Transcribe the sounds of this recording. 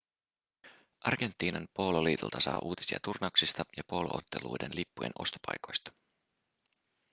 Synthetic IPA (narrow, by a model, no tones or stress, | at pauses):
ʔɑrɡ̥e̞nt̪ˑːiːnɑnpo̞loliːt̪ṵlt̪ɑsɑ̰ːʔuːt̪i̥siɑ̰t̪urnɑwksist̪ɑjɑpoloʔot̪ːe̞lṵjdenlipːujḛnʔo̞̰st̪o̥pɑ̰jko̞jst̪ɑ̥